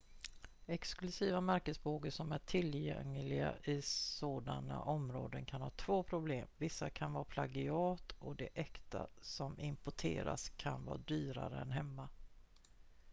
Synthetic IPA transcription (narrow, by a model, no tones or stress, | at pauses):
ɛksklɵsiːvamæɾkəsboːɡəʂɔmæʈʰɪljɛ̰ŋːlɪɡa̰ʔɪsoːd̪ana̰ʔɔmɾo̰ːd̪ənkʰanhɑːt̪ʰv̥oːpʰɾʊbleːmvɪsːakʰanvɑːpʰlaɡɪɑːt̪ɔd̪ɛʔɛkt̪a̰sɔmɪmpʊʈʰḛːɾa̰skʰanvɑ̰ːd̪yːɾa̰ɾəɛnɦɛmːa